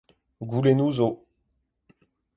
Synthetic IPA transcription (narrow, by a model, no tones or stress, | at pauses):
ɡulenuzo